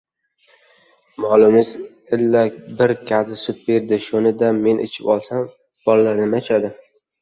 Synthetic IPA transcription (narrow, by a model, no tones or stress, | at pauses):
malˠʊmɪz | ɪlːabɪɾkʲʰad̪ɪsʊt̪̚be̞ɾd̪ɪʃonɪd̪ame̞nʔɪ̰t͡ʃʰɪpɒlˠsam | b̥ɒllaɾnɪmat͡ʃʰad̪ɪ